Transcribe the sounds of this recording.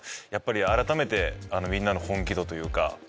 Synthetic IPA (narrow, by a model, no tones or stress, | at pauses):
japːaɾʲiaɾat̪ame̞t̪e̞ano̞mʲĩnːano̞hõ̞ŋkʲid̪o̞t̪o̞jɯ̟ːka̰